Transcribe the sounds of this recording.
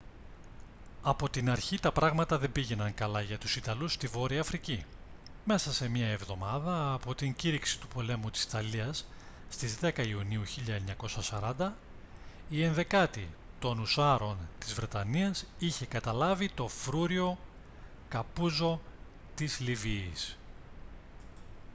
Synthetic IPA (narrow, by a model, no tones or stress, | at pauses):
ɐpo̞t̪inɐɾçit̪ɐpɾɐɣmɐt̪ɐðe̞mbiʝe̞nɐŋkɐlɐʝɐt̪u̥sit̪ɐlust̪ivo̞ɾiɐːfɾici | me̞sɐse̞mɐevðo̞mɐðɐːpo̞t̪iɲɟiɾiksi̥t̪upo̞le̞mut̪i̥si̥t̪ɐliɐsː | t̪izðe̞kɐiuniuçiʎɐeɲɐko̞sɐsɐɾɐnd̪ɐ | ie̞nðe̞kɐt̪it̪o̞nusɐɾo̞nt̪izvɾe̞t̪ɐniɐsiçe̞kɐt̪ɐlɐvit̪o̞fɾuɾio̞ | kɐpuzo̞ | t̪izliviːs